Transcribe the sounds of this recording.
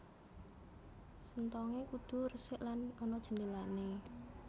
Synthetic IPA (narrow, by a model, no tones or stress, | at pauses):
sənt̪ɔŋekud̪̥ṳrəsɪʔlanɔnɔd̥ʒ̥ə̤ndelane